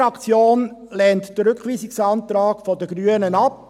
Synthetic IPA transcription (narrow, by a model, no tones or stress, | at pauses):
ɑkt͡sjoːnlɛːntd̥əɾʏkχʋiːsɪksɑnt̪ɾɑːɡfɔdəɡɾyənənɑp̚